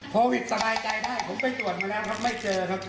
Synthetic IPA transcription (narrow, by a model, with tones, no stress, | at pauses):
kʰoː˧wi˨˩t̪̚sa˧baː˧jt͡ɕa˧jdaː˥˩jpʰo˩˦mpa˧˩jt̪u˨˩ət̪̚maː˧lɛː˦˥wkʰa˦˥p̚ma˥˩jt͡ɕɤː˧kʰa˦˥p̚